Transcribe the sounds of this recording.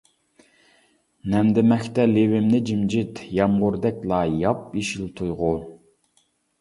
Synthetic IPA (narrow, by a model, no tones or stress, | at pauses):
nɛmd̪ɪmɛxʲt̪ɛlewɪmnɪd͡ʒimd͡ʒit̪jɑmʁʊɾd̪ɛk̚ʲlˠɑjɑp̚iʃilt̪ʰujʁʊ